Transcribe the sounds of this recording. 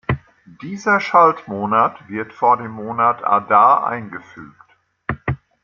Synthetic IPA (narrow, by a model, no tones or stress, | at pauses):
d̥iːzɐʃaltmoːnatv̥ɪɐtfoːɐdeːmːoːnatʰa̰daːʔa̰ɪnɡəfy̰ːk̚t